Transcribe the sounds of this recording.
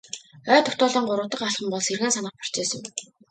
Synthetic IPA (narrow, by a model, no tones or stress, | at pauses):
œːt̪ʰːʊt̪ɔːɮiːŋɢʊɾə̆wt̪ə̆qaɮχə̆mpɔɮserɣeːnsanə̆χpḁr̥t͡ɕeːsə̆ŋ